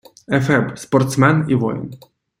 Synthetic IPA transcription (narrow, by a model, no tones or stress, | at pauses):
ɛfɛpspɔɾt̪smɛnivɔ̰jn